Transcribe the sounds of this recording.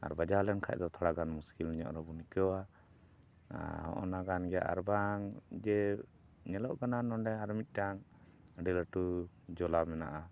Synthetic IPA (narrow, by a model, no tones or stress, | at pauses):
a̰ɾbad͡ʒalɛnkʰa̰c̚d̪ɔt̪ʰɔɽaɡanmuskilniɲɔ̰ʔɾɔbunikɛwa | hɔ̰ʔɔ̰naɡanɡɛja̰ʔa̰ɾbaŋd͡ʒɛ | ɲɛlɔʔɡananɔɳɖɛaɾmit̪̚ˀʈaŋ | ɖiləʈu | d͡ʒɔlamɛnaʔa